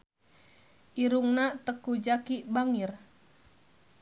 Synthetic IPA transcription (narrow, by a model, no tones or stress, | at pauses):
ʔiɾuŋnat̪əkud͡ʒakibaŋir